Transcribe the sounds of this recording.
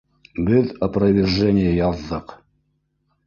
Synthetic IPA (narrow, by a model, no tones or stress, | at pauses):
bʲɪðɐprɐvʲɪrʐɛnʲɪjəjɑðːɤq